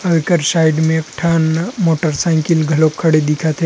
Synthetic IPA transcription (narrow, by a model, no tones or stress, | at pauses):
əʋɪkəɾsaːɪɖmẽkʈʰaːnmoːʈəɾsãkɪlɡʱɐlokʰːəɽed̪ɪkʰat̪ʰe